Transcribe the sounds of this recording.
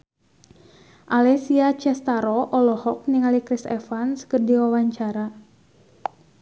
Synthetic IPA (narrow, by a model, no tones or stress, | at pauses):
ʔalɛsiat͡ʃɛst̪aɾɔʔɔlɔhɔk̚niŋalikɾisɛ̰fanskɨrdiwawaɲt͡ʃaɾa